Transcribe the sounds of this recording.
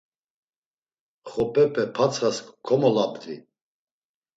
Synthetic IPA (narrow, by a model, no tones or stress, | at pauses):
χɔpʼɛpʼɛpʰat͡sʰχaskʰɔmɔlabd̪ḭ